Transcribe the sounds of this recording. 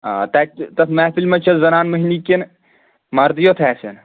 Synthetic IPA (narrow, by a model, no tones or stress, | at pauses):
aːt̪ɐt̪ɐmɛːfilmɐt͡ʃʰɐzɐnaːnməɦiniken | mɐɾd̪ijot̪ʰɛːsɐn